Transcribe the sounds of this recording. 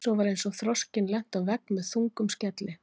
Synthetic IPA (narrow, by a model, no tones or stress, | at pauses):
sɔwvaɾejnsɔɣθɾɔscɪnlɛn̥t̪awvɛk̚nmɛðθuŋkʏmscɛt̪lɪ